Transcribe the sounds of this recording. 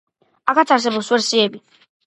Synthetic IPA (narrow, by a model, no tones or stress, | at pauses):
akʰat̪sʰaɾs̬ɛbɔswɛɾsiɛbi